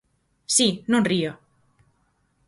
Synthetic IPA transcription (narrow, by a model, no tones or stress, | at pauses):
sinũnrio